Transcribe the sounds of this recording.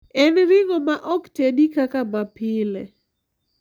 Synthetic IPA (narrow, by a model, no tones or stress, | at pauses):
ɛnɾɪŋɔmaʔɔktedikakamapɪlɛ